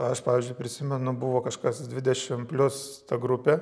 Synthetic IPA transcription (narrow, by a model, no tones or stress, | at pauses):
ɐʃpɑːʋʲɪzʲd͡ʒʲʊɪpʲɾʲɪsʲɪmʲɛnʊbʊʋoːkɐʃkɐsd̪ʲʋʲɪd̪ʲɛʃʲɪmpʲlʲʊs | t̪ɐɡɾupʲeː